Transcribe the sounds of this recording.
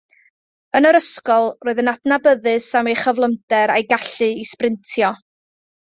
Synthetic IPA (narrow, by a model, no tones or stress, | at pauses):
ənəɾəskɔlˠroɨðənadnabəðɨsamejχəvlˠəmdɛɾajɡaɬɨisprɪntʰjɔ